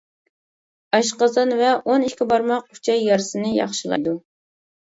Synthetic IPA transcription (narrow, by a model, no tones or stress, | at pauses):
ɑʃqɑzɑnvɛʔoniʃkʲibɑɾmɑq̚u̥t͡ʃʰɑjːɑɾsɨnɨjɑ̰χʃɨl̰ˠd̪u